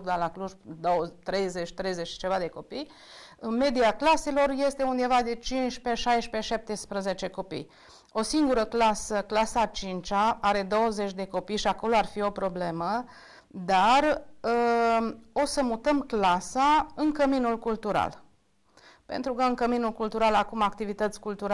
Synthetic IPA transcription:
d̪alakluʒd̪oət̪ɾe̞jze̞t͡ʃʲt̪ɾe̞jzet͡ʃt͡ʃe̞vad̪e̞ko̞pij | ɨnme̞d̪iaklase̞lo̞rje̞st̪e̞und̪e̞vad̪e̞t͡ʃinʃpeʃajʃpeʃap̚t̪espɾəze̞t͡ʃe̞ko̞pḭj | o̞siŋɡuɾəklasəklasat͡ʃint͡ʃaaɾe̞d̪o̞wəze̞t͡ʃʲd̪e̞ko̞pijʃiako̞loarfio̞pɾo̞ble̞mə | d̪ar | o̞səmut̪əmklasaɨnŋkəminulkult̪uɾa̰l | pe̞̰nt̪ɾukəɨŋkəminulkult̪uɾalakumak̚t̪ivit̪ət̪sʲkult̪uɾa

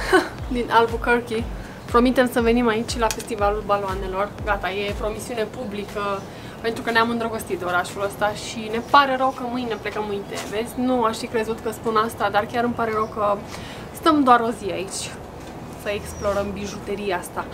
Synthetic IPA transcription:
d̪inʔalbukərki | pɾo̞mit̪e̞msəve̞nimait͡ʃʲlafe̞st̪ivalulbaloane̞lo̞rɡat̪aje̞pɾo̞misiune̞publikə | pe̞nt̪ɾukəneamɨnd̪ɾəɡost̪it̪d̪eo̞ɾaʃuləst̪aʃine̞paɾe̞ɾəwkəmɨjne̞ple̞kəmːɨjnt̪ḛve̞sʲnuaʃfikɾe̞zut̪kəspunast̪ad̪arkʲaɾɨmpaɾe̞ɾəwkə | st̪əmd̪oaɾo̞ziait͡ʃʲ | səeksplo̞ɾəmbiʒut̪eɾiast̪a

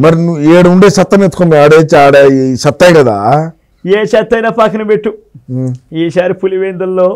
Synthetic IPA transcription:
mɐɾinueːɽɐuɳɖeːsɐt̪ːɐnet̪u̥komɡaːɽet͡ʃaːɽɐʃɐt̪ːɐjkɐd̪a̰ː | jeːʃɐt̪ːɐjnɐːpaːkʰɐnɐbeʈːu | eːʃaːɾipʰuliʋeːnd̪ɐlːoː

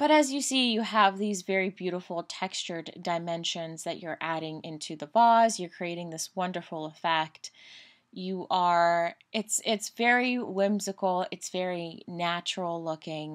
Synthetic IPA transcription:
b̥ʌɾɨzjɨsijɨəvðizvɛɹibjʉɾəfl̩ˠtʰɛkst͡ʃə˞ddaɪmɛ̃nʃɨ̃nzðɨt͡ʃə˞ʔæɾɪ̃ŋɪ̃ntʰʉðəbɑzjə˞kʰɹ̥ieɪɾɪ̃ŋðɪswʌ̃ndə˞fl̩ˠəfɛk̚t | jɨʔə˞ʔɪtsɪtsvɛɹiwɪ̃mzɨkl̩ˠɪ̰tsv̥ɛɹinæt͡ʃɹl̩ˠlʊkɪ̃ŋ

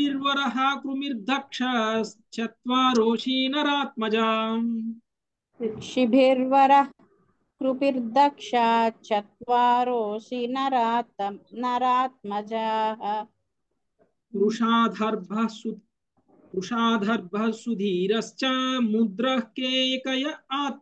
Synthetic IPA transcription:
iɾʋɐɾɐɦɐ̆kɾumiɾd̪ʱɐkʂɐ | t͡ʃɐt̪ʋaːɾoːʃiːnɐɾaːt̪̚mɐd͡ʒaː | ʃibʱiɾʋɐɾɐɦ | kɾupiɾd̪ʱɐkʂaːt͡ʃɐt̪̚ʋaːɾoːʃinɐɾaːt̪nɐɾaːt̪̚mɐd͡ʒaːɦɐ | ɾuʂaːd̪ʱɐɾbʱɐsu | ɾuʂaːd̪ʱɐɾbʱɐsud̪ʱiːɾɐst͡ʃɐmud̪ɾɐhkeːkɐjɐaːt̪̚

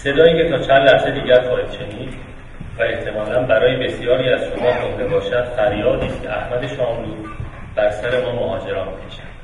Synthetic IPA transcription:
se̞d̪ɒːiːcʰe̞t̪ʰɒːt͡ʃʰænd̪læhsed̪iːɟæɾxʰɒːiːd̪̥ʃe̞niːd̪ | væe̞ht̪ʰe̞mɒːlænbæɾɒːje̞be̞sijɒːɾiːæz̥ʃo̞mɒːk̪ʰomd̪e̞bɒːʃæd̪̥fæɾjɒːd̪iːst̪cʰeʔæhmæd̪e̞ʃɒːmbuːd̪ | b̥æɾsæɾe̞mɒːmoɦɒːd͡ʒe̞ɾɒːnbikʰeʃæ̥n̥

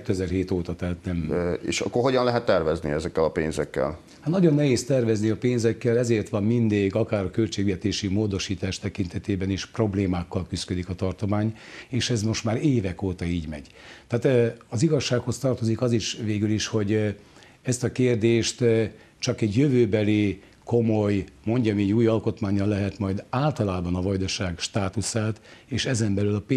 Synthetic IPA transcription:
ɛt̪ːøɛzɛrɦeːt̪oːt̪ɒt̪ɛːt̪nɛmḛːʃɒ̰kːorɦo̞ɟɒnlɛɦɛt̪ːɛrvɛznḭɛzɛkːɛlɒpḛːnzɛ̰kːɛ̰l | hat̪nɒɟo̞nːɛɦeːst̪ɛrvɛzniɒpeːnzɛkːɛlɛzeːrt̪ʋɒmmind̪eːɡɒkaːɾɒkølt͡ʃeːɡʋɛt̪eːʃimoːd̪o̞ʃiːt̪aːʃt̪ɛkint̪ɛt̪eːbɛniʃpro̞bleːmaːkːɒlkyskø̞d̪ikɒt̪ɒrt̪o̞maːɲeːʃɛzmo̞ʃt̪maːɾeːvɛkoːt̪ɒiːɟmɛ̰ɟ̥ | t̪aːt̪ɒziɡɒʃːaːkho̞st̪ɒrt̪o̞zikɒziʃveːɡyliʃho̞ɟ | ɛst̪ɒkeːrd̪eːʃt̪ | t͡ʃɒkɛɟjøvøːbɛli | ko̞mo̞jmo̞ɲɟɒmiɛɟuːjɒlko̞t̪maːɲːɒlːɛɦɛt̪mɒjd̪aːlt̪ɒlaːbɒnɒvɒjd̪ɒʃaːɡʃt̪aːt̪usaːt̪eːʃɛzɛmbɛlylɒpː

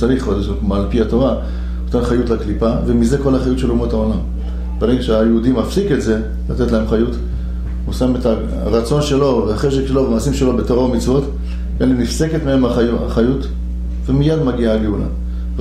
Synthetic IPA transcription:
t͡saʁiχodeʃakmalpiato̞ʁa | ot̪enχajutlaklipavemize̞ko̞laχajut̪ʃe̞lumotaonam | beʁeɡaʃeajeudimafsiketze̞ | latetlaemχajut | usameta | ʁat͡so̞nʃe̞lo̞veaχeʃekʃelovemaːsimʃelo̞be̞toʁaomit͡svo̞t | enlinifseketmehe̞maaχajut | vemijad̪maɡiaːɡeula̰

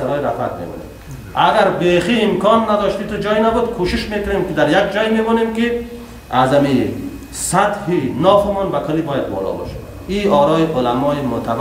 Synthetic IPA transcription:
aɾɔiɾa̰fa̰t̪̚mḛmɔ̰nḛm | aɡaɾbeχiːmkʰɔnːad̪ɔʃt̪it̪ud͡ʒɔjnabud̪kʰuʃiʃmekʊnemkid̪aɾjak̚d͡ʒɔjmebɔnemki | azami | sat̪hinɔfimɔnbakʰɔlibɔjad̪bɔ̰lɔ̰bɔ̰ʃḁd̪ | iɔɾɔiʔolamɔimʊt̪ʰav

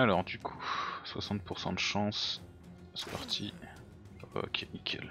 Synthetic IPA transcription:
alɔʁd̪ykʰuswasɑ̃t̪̚puʁsɑ̃d̪əʃɑ̃s | spa̰ʁt̪ʰi | ɔ̰kʲʰɛnikʰʲɛ̰l

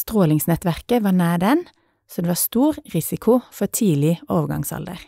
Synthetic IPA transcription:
st̪ʁoːlɪŋsnɛt̪ʋæʁkəʋɑːnæːd̪ɛn | soːd̪eːʋɑːʁst̪uːʁʁɪsɪkʰʊfɔʁt̪ʰiːlɪoːʋəɡɑ̰ŋsɑ̰ld̪ə̰ʁ

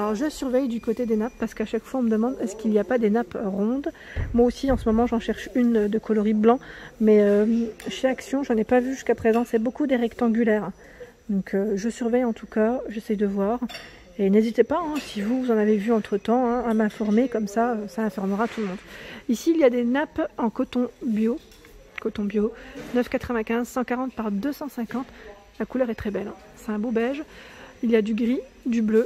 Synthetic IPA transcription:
alɔʁʒəsyʁvɛjd̪ykot̪ed̪enapːaʁsə̥kaʃakfwaɔ̃məd̪əmɑ̃d̪ɛskilijapad̪enapʁɔ̃d̪ | mwaosiɑ̃səmɔmɑ̃ʒɑ̃ʃɛʁʃynd̪əkʰɔlɔʁiblɑ̃mɛøʃeaksjɔ̃ʒɑ̃nɛpavyʒyskapχezɑ̃sɛbokud̪eʁɛkt̪ɑ̃ɡʲylɛːʁ | d̪ɔ̃kʰøʒəsyʁvɛjɑ̃t̪ʰukaʒesɛjd̪əvwaːʁ | enezit̪epaɛ̃sivuvuzɑ̃navevyɑ̃t̪χət̪ɑ̃ɛ̃amɛ̃fɔʁmekɔmsaøsaɛ̃fɔʁməʁat̪uləmɔ̃d̪isiːljad̪enapɑ̃kɔt̪ɔ̃bjo | kɔt̪ɔ̃bjonœfkat̪χəvɛ̃kʲɛ̃zsɑ̃kaʁɑ̃t̪̚paʁd̪øsɑ̃sɛ̃kɑ̃t̪ | lakulœʁɛt̪χɛbɛl | sɛ̥t̪ɛ̃bobɛlʒiljad̪yɡʁid̪yblø

